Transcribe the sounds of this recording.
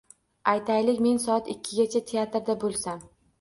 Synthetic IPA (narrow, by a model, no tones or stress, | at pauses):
ajt̪ʰajlɪkʲme̞nsɒat̪ɪkʲʰːɪɡʲat͡ʃʰat̪ʰeat̪ɾd̪abolˠsam